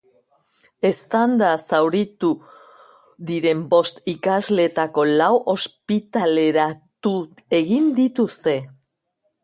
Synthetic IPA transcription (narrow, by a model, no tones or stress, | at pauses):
e̞st̪and̪asawɾit̪u | ðiɾe̞mbo̞st̪ikazle̞t̪ako̞lawʔo̞spit̪ale̞ɾat̪u | e̞ɣind̪it̪ust̪e̞